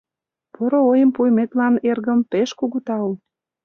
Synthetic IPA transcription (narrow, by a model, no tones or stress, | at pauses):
poɾoojəmpujmet̪lɑnerɣəmpeʃkuɣut̪ɑul